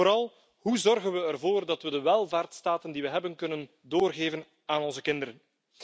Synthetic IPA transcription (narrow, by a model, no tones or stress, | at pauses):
oɾɑlˠ | ɦuzɔrɣənʋəɛrvoːrdɑtʋədəʋɛlˠvaːrtstaːtəndiʋəɦɛbənkɵnən | doːrɣeːvən | aːnɔnzəkɪndəɾən